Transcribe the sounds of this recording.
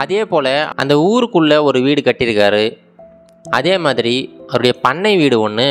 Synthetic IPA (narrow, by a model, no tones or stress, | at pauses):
ɐðeːpoːlɐɐ̰nd̪ɐuːɾɯkːɯɭːɐɔɾɯʋiːɽɯkɐʈːɪɾɯkːaːɾɯ | ʔɐðeːmaːðɪɾiɐðɾɯɽɐjɐpɐɳːɐɪʋiːɽɯɔɳːɯ